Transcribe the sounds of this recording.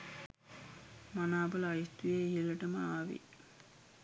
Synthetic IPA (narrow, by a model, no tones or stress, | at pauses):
manaːbəlajit̪ujeijəlɐʈəməaːʋḭ